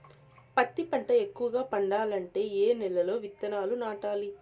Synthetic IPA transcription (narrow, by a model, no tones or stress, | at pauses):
pɐt̪ːipɐɳʈɐekːuʋɐɡaːpɐɳɖaːlɐɳʈe̞ːeːnɛlːɐlo̞ːʋit̪ːɐnaːlunaːʈaːli